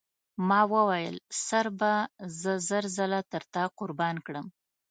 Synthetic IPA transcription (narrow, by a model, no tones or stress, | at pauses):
mɑwəwajə̰lsaɾbazəzəɾzəlat̪əɾt̪aqʊɾbɑnkɽəm